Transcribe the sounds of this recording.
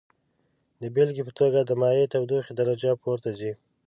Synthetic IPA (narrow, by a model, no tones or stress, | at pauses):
d̪əbelɡipət̪oɡad̪əmɑjet̪awd̪uxed̪aɾad͡ʒapʰoɾt̪azi